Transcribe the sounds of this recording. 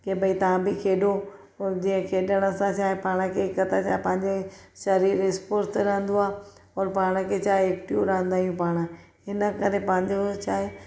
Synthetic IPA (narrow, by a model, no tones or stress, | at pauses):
kebɐit̪ɐʋ̤ãbɪkʰeːɗo | ɔːɾd͡ʑĩːə̃kʰeːɗəɽ̃əsãt͡ʃʰaːɦepaːɽ̃ə̆kʰekɐt̪ʰat͡ɕʰaːɦpɐ̃ɦɪ̃ɲd͡ʑeʃɐɾiːɾɪspoːɾt̪ɾɐɦə̃nd̪oaː | ɔːɾpaːɽ̃əkʰet͡ɕʰaːɦeeːkʈijuɾɐɦə̃nd̪aːijũpaːɽ̃ə | ɪnə̆kɐɾepɐ̃ɪ̃ɲd͡ʑot͡ɕʰaːɦe